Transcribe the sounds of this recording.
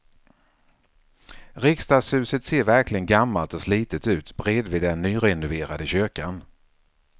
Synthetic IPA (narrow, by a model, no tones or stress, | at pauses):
ɾɪkst̪ɑːshʉ̟ːsət̪seːɾvæɾklɪɡənɡamːalt̪ɔsliːt̪ət̪ʉ̟ːt̪bɾeːd̪vɪd̪ɛnːyːɾɛnʊveːɾad̪əɕøkan